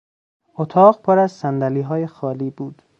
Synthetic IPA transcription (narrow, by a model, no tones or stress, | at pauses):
ot̪ʰɒːɢpʰoɾæzsænd̪æliːɦɒːjexɒːliːbuːd̪̥